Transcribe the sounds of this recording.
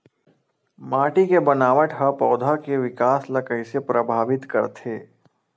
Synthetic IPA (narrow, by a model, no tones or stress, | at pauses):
maːʈikebɐnaːʋəʈɦəpɔːd̪ʱakeʋɪkaːslɐkəisepɾəbʱaːʋɪt̪kɐ̰ɾt̪ʰeː